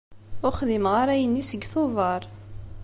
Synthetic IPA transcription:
ʊɾχðimʁaɾæjənːisəɡːθovɑɾˤ

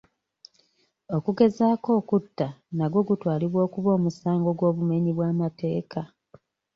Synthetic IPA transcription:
o̞kuɡe̞zaːko̞ːkutːanaɡwo̞ɡutwaːliβwo̞ːkuβo̞ːmusaːŋɡo̞ɡwo̞ːβume̞ɲiβwaːmate̞ːka

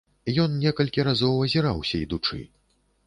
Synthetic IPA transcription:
jɔnnʲɛkɐlʲkʲiɾazɔwɐzʲiɾawsʲɐid̪ut͡ʂɨ̰

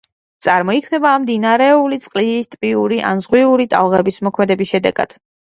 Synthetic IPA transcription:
t̪sʼaɾmɔikʰnɛbaːmd̪inaɾɛulit̪sʼqʼliit̪ʼpʼiuɾiʔa̰nzʁwiuɾit̪ʼa̰lˠʁɛbismɔkʰmɛd̪ɛbisʃɛd̪ɛ̰ɡa̰d̪̥

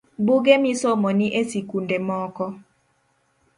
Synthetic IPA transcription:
buɡemisomɔniʔesikundemɔkɔ

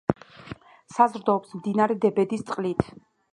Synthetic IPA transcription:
sazɾd̪ɔːpsmd̪inaɾɛd̪ɛbɛd̪ist̪sʼqʼlit̪ʰ

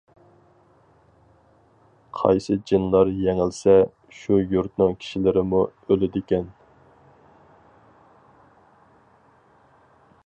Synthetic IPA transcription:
qʰɑ̰jsɨd͡ʒɨnlˠɑɾjɛŋɪlsɛ | ʃujuɾt̪nɨŋkʲʰi̥ʃilɪɾɪmuølɪd̪ɪkʲɛn

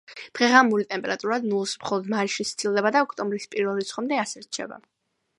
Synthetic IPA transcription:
d̪̥ʁɛʁamulit̪ʼɛmpʼɛɾat̪ʼuɾad̪nulˠsmχɔlˠɔd̪maɾiʃit̪st̪ʰʼilˠd̪ɛbad̪aɔkʰʼt̪ʼɔmbɾispʼiɾvɛlit̪sʰχɔmd̪ɛasɛɾt͡ʃʰɛ̰ba̰

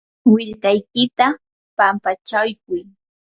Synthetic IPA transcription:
wɪɾkajkɪt̪a | pampat͡ʃajkʊj

